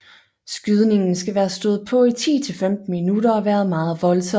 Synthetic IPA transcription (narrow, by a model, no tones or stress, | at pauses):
sɡ̥yð̞ˠne̝ŋn̩sɡ̥æʋæːɐsd̥ɔ̽ːð̩ˠpʰɒ̽it͡sʰḭːt͡sʰe̝lfemd̥n̩minuɾ̥ɐɒ̽ʋæːɐð̩ˠmɑ̈ːð̞̩ˠʋɒ̽lsɒ̽